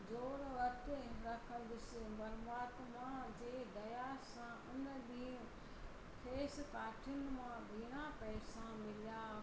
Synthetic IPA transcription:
d͡ʑoːɽʋɐt̪eɾɐkʰə̃nd̪ɪsɪmɐɾmaːt̪mãd͡ʑeːd̪ɐjaːsãʔʊnəbʱĩː | kʰeːskaːʈʰjʊnɪ̆mãbʱiːɽ̃apɛːsãmɪlijaː

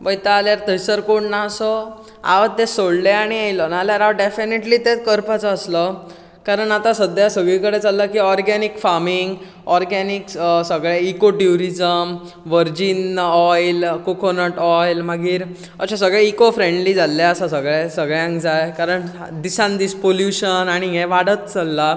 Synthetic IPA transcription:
ʋəjt̪aːljaɾt̪əjsəɾkoɳnaəsɔ | a̰ʋət̪ːesoɽleaɽ̃iajlənaːljaɾaʋɖefineʈliːt̪et̪kəɾpat͡səːslə | kaɾəɳat̪asəd̪jasəɡɭikəɽet͡salːakiːɔɾɡanikfaɾmiŋɡ | ɔɾɡanikssəɡɭeikoʈjuɾid͡zəm | ʋəɾd͡ʑinɔjlkokʰonəʈɔjlməɡiːɾ | ə̰t͡ɕʰasəɡɭeikofɾẽɳɖlid͡zalːeəsasəɡɭesəɡɭjãŋkd͡zajkaɾəɳ | d̪isãnd̪ispoljuɕənaɽ̃iɦẽʋaɽət̪̚t͡salːa

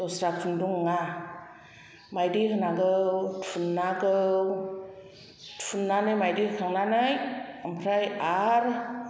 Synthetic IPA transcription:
dɔsɾapʰunduŋŋa | majdihʰɯnaɡɯwtʰfʰunːaɡɯw | tʰfʰunːanɯjmajdikʰaŋnanɯjampʰɾajaɾ

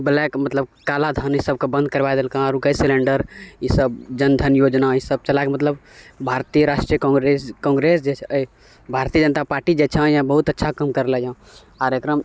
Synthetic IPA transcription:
bəlakmət̪ləb̚kalad̪ʱənisəb̚kebə̃nd̪̚ʱkəɾbajd̪elkãɾukəisileɳɖəɾisəbd͡ʒənd̪ʱənjod͡ʒnaisəb̚t͡ʃəlakemət̪ləbbʱaɾt̪ijəɾaʃʈɾijəkɔ̃ŋɡɾeskɔ̃ŋɡɾesd͡ʒet͡ʃʰi | bʱaɾt̪ijəd͡ʒənt̪apaːɾʈid͡ʒet͡ʃʰɛ̃jãbəɦut̪ətːʃʰakəmkəɾlɛjã | kaɾjəkɾəm

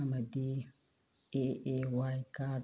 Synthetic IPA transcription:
madi | eʔewajka

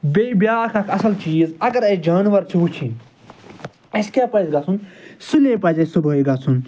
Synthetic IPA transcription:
beibʲjaːkʰɐkʰɐsɐlt͡ʃiːzɐɡɐɾɐd͡ʒaːnʋɐɾt͡ʃʰiut͡ʃʰin | ɐskaːpɐzɡasʰunsulẽːpɐzɐsubʱoːiɡasʰun

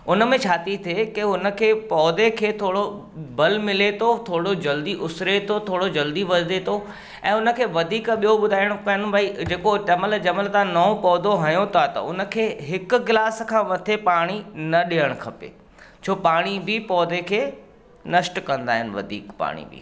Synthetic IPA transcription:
ʊnəmẽt͡ɕʰaːt̪it̪ʰiekɪɦʊnə̆kʰeːpɔːd̪ekʰeːt̪ʰoːɽo | bɐlmɪlet̪ʰot̪ʰoːɽod͡ʑɐld̪iʔʊsɾet̪ʰot̪ʰoːɽod͡ʑɐld̪iʋɐɾd̪et̪ʰo | ɛ̰̃ːʊnə̆kʰeːʋɐd̪ʱiːkɓijoɓʊd̪ʱaːɪɽ̃ʊkɐɦɪn̆bʱaːid͡ʑeːkoʈɐməld͡ʑɐməlt̪ãnɐõpɔːd̪ʱoɦɐ̃jõt̪ʰat̪ɐ̰ʊnə̆kʰeːɦɪkʊ̆ɡlaːskʰãːʋɐt̪ʰepaːɽ̃inɐɗeːəɽ̃kʰɐpḛː | t͡ɕʰoːpaːɽ̃ibɪpɔːd̪ekʰeː | nɐsʈkɐ̃nd̪a̰ːɦɪnɪ̆ʋɐ̰d̪ʱḭːkpa̰ːɽ̃ḭbḭ

